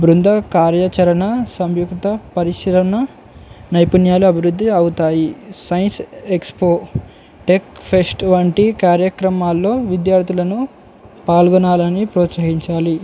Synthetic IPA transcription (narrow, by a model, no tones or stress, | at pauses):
bɾund̪ʱɐkaːɾjɐt͡ʃɐɾɐnɐsɐmjukt̪ɐpɐɾiʃiɾɐnɐ | nɐjpunjaːluɐbʱiɾud̪ːiɐwut̪aːjisɐjnsekspoː | ʈekpʰesʈʋɐɳʈikaːɾjɐkɾɐmaːlːo̞ːʋid̪jaːɾt̪ʰilɐnu | paːlɡɔnaːlɐnipɾɔːt̪sɐɦiɲt͡ʃaːli